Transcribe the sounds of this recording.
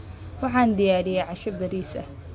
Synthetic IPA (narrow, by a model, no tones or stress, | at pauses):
wɑħɑːnd̪ɪjaːɾɪjɛʕɑʃɐbɐɾiːsɐ̰